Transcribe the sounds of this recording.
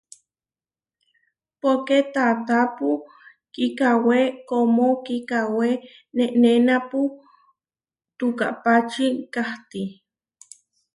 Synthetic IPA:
poket̪at̪apu | kikawekomokikawe | neʔnenapu | t̪uka̰ʔpat͡ʃikaht̪i

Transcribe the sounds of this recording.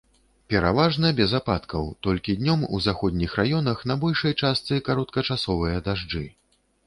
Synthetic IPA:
pʲɛɾavaʐnɐbʲɛzapat̪kʰɐwt̪ɔlʲkʲid̪ʲnʲɔmuzaxɔd̪ʲnʲixrajɔn̪ɐxnɐbɔlʲʂɐjt͡ʂast̪sɨkaɾɔt̪kɐt͡ʂasɔvɨjɐd̪aʐd͡ʐɨ

